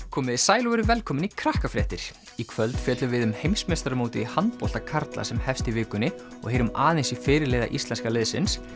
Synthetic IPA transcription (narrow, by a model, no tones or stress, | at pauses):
kʰɔːmɪðɪsaːjloɛɾʏvɛlkʰɔːmɪnikʰɾahkafɾɛ̰ht̪ɪɾ̥ | ikʰvœlt̪fjɛːt̪lʏvɪðʏmhejmsmest̪ɾamoːwt̪ɪihant̪pɔl̥t̪akʰaɾt̪la̰sɛmhɛfst̪ivɪːkʏnːɪ | ɔ̰ɣheːjɾʏmaːðejnsifɪːɾɪɾleːjða̰ʔist̪lɛnskalɪðsɪ̰ns